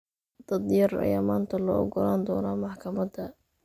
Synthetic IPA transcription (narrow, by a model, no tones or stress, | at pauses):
d̪̥ɐd̪jɐrɐ̰jaːmaːnt̪ʰɐlɔ̰ːɔɡɔlaːnd̪ɔːnɔmɑħkʰɐmɐd̪ɐ